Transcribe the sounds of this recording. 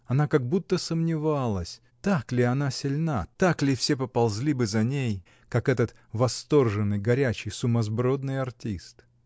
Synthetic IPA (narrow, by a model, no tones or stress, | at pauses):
ɐnakɐɡ̚but̪ːəsəmnʲɪvalˠəsʲ | t̪aklʲɪɐnasʲɪlʲnat̪aklʲɪfsʲe̞pəpɐlˠzʲlʲibɨzɐnʲej | kakɛt̪ət̪ | vɐst̪o̞rʐɨnːɨjɡɐɾʲæt͡ɕɪjsʊmɐzbɾo̞d̪nɨjɐrtʲist̪